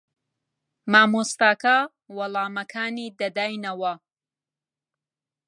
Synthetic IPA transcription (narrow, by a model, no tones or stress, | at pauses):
maːmust̪aːka | wɐlˠaːmɐkʰaːniːd̪ɐd̪aːjnɐwɐ